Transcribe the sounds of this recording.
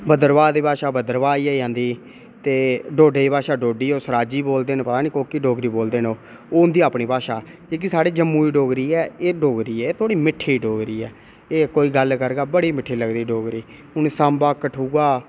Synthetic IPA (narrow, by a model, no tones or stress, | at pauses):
bəd̪əɾʋaːd̪iːbaːʃaːbəd̪əɾʋaːiːɛːd͡ʒãːnd̪iː | t̪eːɖoːɖeːiːbaːʃaːɖoːɖiːoːsəɾaːd͡ʒiːboːld̪eːnẽpət̪aːnĩːkoːkiɖoːɡɾiːboːld̪eːnoː | oːʊnd̪iːaːpniːpaːʃaː | eːk̬isaːɽiːd͡ʒəmːũːiːɖoːɡɾiːɛːeːɖoːɡɾiːɛːeːt̪ʰoːɽiːmɪʈʰːiːɖoːɡɾiːɛː | eːkoːiːɡəlkəɾɡaːbəɽiːmɪʈʰːiːləɡd̪iːɖoːɡɾiː | ʊnsãmbaːkəʈʰuːɡaː